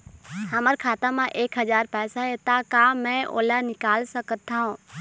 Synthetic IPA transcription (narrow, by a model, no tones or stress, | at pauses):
həməɾkʰaːt̪amãʔeːkɦəd͡ʒaːɾpɛːsaɦet̪akaːmɛ̃ʔo̰ːlanɪkaːlsəkət̪ːaɦũː